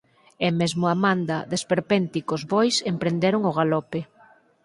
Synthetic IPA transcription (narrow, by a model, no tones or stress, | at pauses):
ɛmezmʊamand̪ɐðespeɾpent̪ikozβojsempɾend̪eɾʊŋʊɣalɔpe